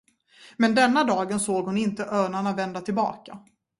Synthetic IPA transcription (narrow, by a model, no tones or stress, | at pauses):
mɛnd̪ɛnːad̪ɑːɡənsoːɡhʊnɪnt̪əʔœːɳaɳavɛnd̪at̪ʰɪlbɑ̰ːka